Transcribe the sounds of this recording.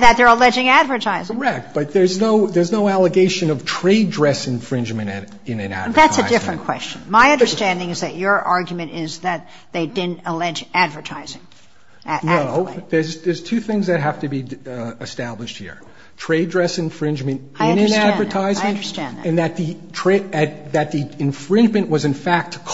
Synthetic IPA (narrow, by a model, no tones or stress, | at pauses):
ðɨt̪̚ðə˞əlɛd͡ʒɪ̃ŋædvə˞tʰaɪzkɛk̚t̚b̥ʌt̪̚ðə˞znoʊðə˞znoʊælˠəɡeɪʃɨ̃nʌv̥tʰɹ̥eɪdɹɛsɨ̃ɱfɹɪ̃nd͡ʒmɨ̃nɨ | ɨ̃nɨ̃næ̰dvəðætsɨ̰ɪdɪfɹɨ̃nkʰw̥ɛ̰st͡ʃɨ̃nmaɪʌ̃ndə˞stæ̃ndɪ̃ŋɨzðɨt͡ʃə˞ʔɑɹɡjmɨ̃ñɪzðɨt̪̚ | ðeɪdɪdⁿn̩təlɛd͡ʒædvə˞tʰaɪzɪ̃ŋ | ʔnoʊðə˞zðə˞z̥tʰʉθɪ̃ŋzðɨt̚ɦæftɨbiɨstæblɨʃt̚hḭɹ | tʰɹ̥eɪdɹɛsɨ̃ɱfɹɪ̃nd͡ʒmɨ̃nt | ɪ̃ʌnɨ̃nædvə˞tʰaɪzmɨ̃nə˞stæ̃nnð̰ɨ̃nðɨt̪̚ðɨtʰɹ̥eɪɨt̪̚ðɨt̪̚ðiɨ̃ɱfɹɪ̃nd͡ʒmɨ̃nʔwʌzɨ̃nfæk̚tkʰ